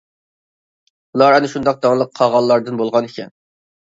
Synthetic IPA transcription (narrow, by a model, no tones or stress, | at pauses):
ulˠɑɾɛnɪʃund̪ɑq̚d̪ɑŋlˠəqʰːɑʁɑlˠːɑɾd̪ɨnbolˠʁɑnekʲʰɛ̰n